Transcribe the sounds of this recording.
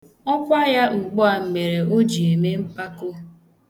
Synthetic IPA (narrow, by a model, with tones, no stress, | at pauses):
ɔ˦kʷa˦ja˦ŋ͡m̩˨ɡ͡bɔ˦a˨m̩˨me˨ɾe˨o˦d͡ʒi˨e˨me˦m̩˦pa˦ko˦